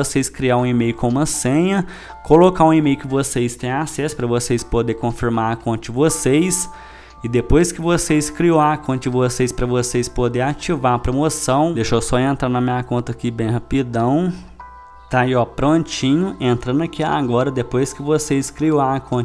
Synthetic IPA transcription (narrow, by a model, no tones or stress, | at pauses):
osejskɾiaũimejʊkõũmɐsẽɲɐ | kolokaũimejʊkɪvosejst̪ẽj̃asɛsʊ̥pɾɐvosejspod̪ekõfiɾmaɾakõt̪ɪd͡ʒɪvosejs | ɪd̪epojskɪvoseskɾiowakõt̪ɪd͡ʒɪvosejspɾɐvosejspod̪eɾat͡ʃivaɐpɾomosɐ̃w̃d̪ejʃowsɔẽnt̪ɾanɐmĩɲakõnt̪ɐkibẽj̃ɦapid̪ɐ̃w̃ | t̪aiɔpɾõt͡ʃĩɲʊẽnt̪ɾɐ̃nɐkia̰ɡɔɾɐd̪epojskɪvosejskɾioaakʰõ